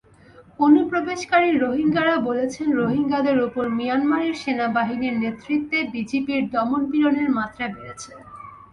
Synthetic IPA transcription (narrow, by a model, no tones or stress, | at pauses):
onupɾobeʃkaɾiɾoɦiŋɡaɾabolet͡ɕʰenɾoɦiŋɡad̪eɾupoɾmijanmaɾiɾʃenabaɦiniɾnet̪ɾit̪ːebid͡ʑepiɾd̪ɔmonbiɾoneɾmat̪ːɾabeɾet͡ɕʰe